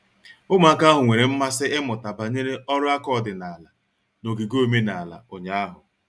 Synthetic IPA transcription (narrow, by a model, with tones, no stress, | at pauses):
ʊ˦m˦˨a˦ka˦ɦʊ˨ŋʷe˨ɾe˨m̩˦ma˦sɪ˦ɪ˦mʊ˨ta˨ba˨ɲe˦ɾe˦ɔ˦ɾʊ˦a˦kɔ˦˨dɪ˨na˨a˨la˨ | no˨ɡi˨ɡo˦me˦na˨a˨la̰˨o˨ɲa˦a˦ɦʊ˨